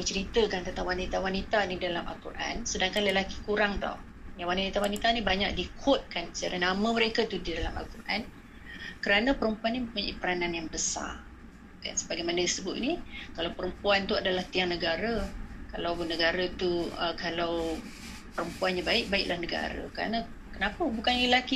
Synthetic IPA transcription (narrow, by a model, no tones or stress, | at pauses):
mət͡ʃəɾit̪əkant̪at̪awanit̪awanit̪anidalamʔa̰lkṵrʔa̰nsədaŋkanləlaki̥kuɾaŋt̪ɔ̰h | jawaniit̪awanit̪anibaɲa̰k̚dikʰʊt̪̚kansət͡ʃaɾanamə̃məɾekat̪udidalama̰lkurʔa̰n | kəɾanapəɾəmpuanːiməpuɲaʔḭpəɾananjaŋbəsa̰r | ka̰nsə̥baɡajmanədisəbʊt̪̚nikalawpəɾəmpuant̪uadalaht̪ianəɡaɾakalawnəɡaɾat̪uəkalaw | pəɾəmpuanɲabaɪʔ̚baɪʔ̚lʔahnəɡa̰ɾa̰kəɾa̰nã | kənapəbukanləlaki